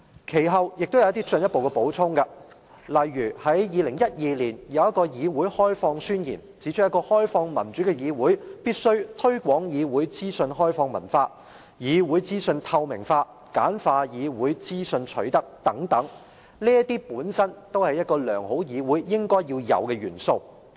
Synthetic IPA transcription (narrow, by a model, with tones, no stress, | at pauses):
kʰe˨˩jɦɐ˨wjɪ˨k̚t̪wjɐ˧wɐ˥t̪̬iː˥t͡sɵ˧njɐ˥t̚po˨wkɛ˧po˨˥wt͡sʰʊ˥ŋkɐ˧ | lɐ˨jːyː˨˩hɐ˨˥jjiː˨˧lɪ˨˩ŋjɐ˥t̚jiː˨˧liː˨˩njɐ˨˧wjɐ˥t̚kːɔː˧jiː˨˧wuː˨˥jhɔː˥jfɔː˧ŋsyː˥njḭː˨˩nt͡siː˨˥t͡ʃʰɵ˥jɐ˥kɔː˧hɔː˥jfɔː˧ŋmɐ˨˩nt͡ʃy˨˥kɛ˧jiː˨˧wuː˨˥jpiː˥t̚sɵ˥ɥt̪ʰɵ˥ɥkʷwɔː˨˥ŋjiː˨˧wuː˨˥jt͡siː˥sɵ˧nɦɔː˥jfɔː˧ŋmɐ˨˩nfaː˧ | jiː˨˧wuː˨˥jt͡siː˥sɵ˧nt̪ʰɐ˧wmɪ̰˨˩ŋfaː˧ | ka̰ː˨˥nfaː˧jiː˨˧wuː˨˥jt͡siː˥sɵ˧nt͡ʃʰɵ˨˥ɥt̪ɐ˥k̚t̪ɐ˨˥ŋt̪ɐ˨˥ŋ | liː˥ɐt̪iː˥puː˨˥nsɐ˥nt̪o˥whɐ˨˩jːɐ˥t̚kɔː˧lœː˨˩ŋho˨˥wjiː˨˧wuː˨˥jːɪ˥ŋkɔː˥jjiː˧wjɐ̰˨˧wkɛː˧jyː˨˩nso˧w